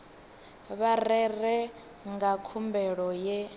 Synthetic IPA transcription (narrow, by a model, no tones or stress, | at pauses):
βarɛrɛ | ŋɡakʰumbɛɺɔjɛ